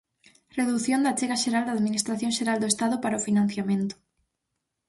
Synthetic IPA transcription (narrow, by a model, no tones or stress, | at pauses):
reðuθjond̪at͡ʃeɣaʃeɾald̪aðminist̪ɾaθjõŋʃeɾald̪oest̪aðʊpaɾaofinãn̟θjamẽnt̪ʊ̥